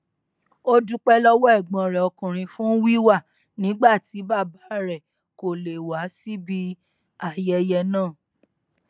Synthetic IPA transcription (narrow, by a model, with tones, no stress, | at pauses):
o˦du˦k͡pɛ˦lɔ˦wɔ˦ɛ˦˨ɡ͡bɔ̃˧˨ɾɛ˨ɔ˧kũ˨ɾ̃ĩ˧fũ˦wi˦wa˦˨ | nĩ˨˦ɡ͡ba˦˨ti˨˦ba˦˨ba˨˦ɾɛ˦˨ | ko˨le˨wa˨˦si˦bi˦ | a˨jɛ˧jɛ˧nãː˦˨